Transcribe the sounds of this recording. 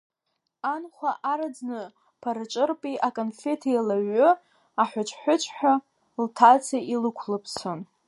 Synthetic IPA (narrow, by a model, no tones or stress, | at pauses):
anχʷaʔaɾad͡znɨ | pʰaɾɨt͡ʃʼɨrpʼiʔakʼonfe̞tʰjalaɥʊ | aħʷʊt͡ʃʷʼʰħʷʊt͡ʃʷʼʰħʷᶣa | ltʰat͡sʰaʔilɨkʷʰlɨpʰsʰon